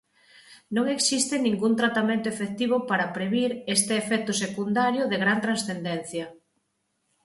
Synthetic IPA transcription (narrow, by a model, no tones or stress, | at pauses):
nõŋeksist̪ɪnĩŋɡunt̪ɾat̪amẽnt̪oefek̚t̪iβ̞ʊpaɾɐpɾeβiɾest̪eːfɛk̚t̪ʊsekund̪aɾjʊðeɣɾant̪ɾansθend̪ɛn̟θjɐ